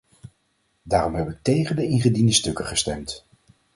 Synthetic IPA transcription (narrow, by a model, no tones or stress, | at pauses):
daːrɔmɦɛbəʋək̚tejχəndəɪŋχədindəstɵkəχəstɛ̰mt